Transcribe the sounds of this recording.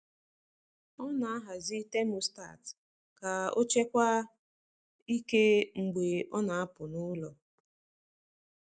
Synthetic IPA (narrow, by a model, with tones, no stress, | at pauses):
ɔ˦na˨a˦ɦa˨zi˦te˦mʊ˨sta̰˦˨t | ka˨o˦t͡ʃe˦kʷa˦ | i˦ke˦ŋ͡m̩˨ɡ͡be˨ɔ˦na˨a˦pʊ˨nʊ˦lɔ˨